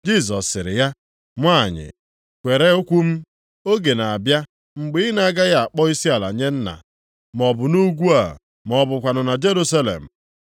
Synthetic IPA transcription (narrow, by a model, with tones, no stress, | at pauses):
d͡ʒi˦s̬ɔ˨sːɪ˨ɾɪ̰˨ja˦ | mʷ˦a˦˨ɲɪ̰˨ | kʷe˨ɾe˦o˦kʷu˦m̩˦ | o˦ɡe˨na˨a˨bja˦ | ŋ͡m̩˨ɡ͡bɪ˦ɪ˦na˦ɡa˦ɣa˦a˨k͡pɔ˦i˦si˦a˨la̰˨ɲe˦n̩˦na̰˨ | m˨ɔ˨bʊ˨nu˦ɡʷu˦a̰˨ | mɔ˨bʊ˨kʷa˨nʊ˨na˨d͡ʒe˦ɾu˦sa˦lḛ˨m̩˨